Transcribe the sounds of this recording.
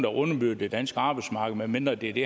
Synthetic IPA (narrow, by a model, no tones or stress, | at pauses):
d̥æʔɔ̽nɐb̥yðəd̥ed̥ænsɡ̥əɑ̈ːb̥ɑ̈ɪsmɑ̈ːɡ̥ð̩ˠmenmen̰d̥ʁɐd̥e̝ɐd̥e